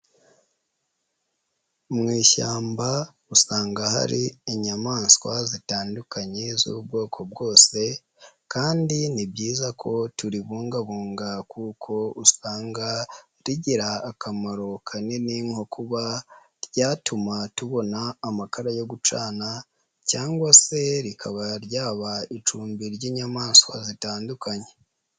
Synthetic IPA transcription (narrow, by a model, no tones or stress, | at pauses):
mŋiːʃaːmba | usaːŋɡaha̰ɾiiɲamaːnskwazitaːndukʰaɲezṵubɡo̞ːkʰo̞b̚ɡo̞ːse̞ | kaːndinibɟiːzakʰo̞tuɾiβuːŋɡaβuːŋɡakʰuːkʰo̞usaːŋɡa | ɾiɟiɾaːkʰamaɾo̞kʰaneniŋhokʰuβa | ɾɟaːtumatuβo̞naːmakaɾajo̞ɡut͡ʃaːna | caːŋɡwase̞ɾikʰaβaɾɟaːβait͡ʃuːmbiɾɟiːɲamaːswa̰zitaːndukaɲe